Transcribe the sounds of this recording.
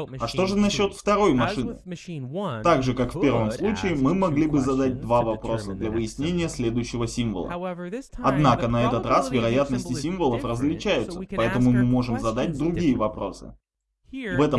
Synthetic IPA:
ɐʂt̪o̞ʐɨnɐɕːo̞t̪ft̪ɐɾo̞jmɐʂɨnɨ̰ | t̪aɡʐɨkakfʲpʲe̞rvəmslˠut͡ɕɪɪmɨmɐɡlʲibɨzɐd̪at̚ʲd̪vavɐpɾo̞səd̪lʲɐvɨjɪsʲnʲenʲɪjəsʲlʲed̪ʊjɕːɪvəsʲimvə̰lˠə̰ | ɐd̪nakənɐɛt̪ət̪rasvʲɪɾɐjat̪nəsʲtʲɪsʲimvəlˠəfrəzlʲɪt͡ɕæjʊt̪səpɐɛt̪əmʊmɨmo̞ʐɨmzɐd̪at̚ʲd̪ɾʊɡʲijəvɐpɾo̞̰sɨ̰ | vɛt̪ə

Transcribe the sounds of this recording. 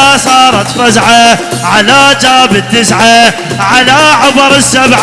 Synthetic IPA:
sˤɑːɾˤɑt̪fazʕa | ʕalad͡ʒaːbɪt̪ːɪsʕa | ʕalaʕʊbɾɪsːabʕ

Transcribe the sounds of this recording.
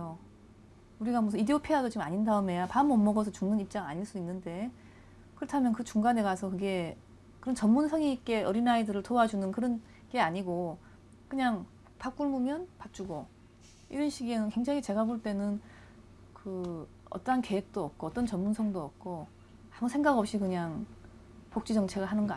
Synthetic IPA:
o | uɾiɡamʌsʰideopʰeadot͡ɕiɡɯmaɲindaɯmɦe̞japaɯmʌmːʌɡʌsʰʌt͡ɕuŋnɯnip̚t͡ɕ͈aŋa̰ɲiɭs͈uinːɯnde̞ | kɯɾʌtʰamjʌnkɯt͡ɕuŋɡane̞ɡasʰʌkɯɡe̞ | kɯɾʌnt͡ɕʌnmunsʰʌŋiːk͈e̞ʌɾinaidɯɾɯɭtoad͡ʑunɯnkɯɾʌn | ɡe̞aɲiɡo | kɯɲaŋ | pak͈uɭmumjʌnpat͡ɕ͈uɡo | ḭɾʌnɕʰiɡienɯnkwe̞ŋd͡ʑaŋit͡ɕe̞ɡaboɭt͈e̞nɯn | kɯ | ʌ̰t͈ʌɦanke̞ɦek̚t͈oʌp̚k͈oʌt͈ʌnt͡ɕʌnmunsʰʌŋdoʌp̚k͈o | amusʰe̞ŋɡaɡʌp̚ɕ͈ikɯɲaŋ | pok̚t͡ɕ͈id͡ʑʌŋt͡ɕʰe̞ɡaɦanɯnɡʌ

